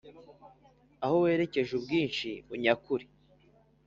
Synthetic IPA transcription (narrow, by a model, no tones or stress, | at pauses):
ahowe̞ːɾe̞ce̞ʒubɡiːnʃiuɲakuɾi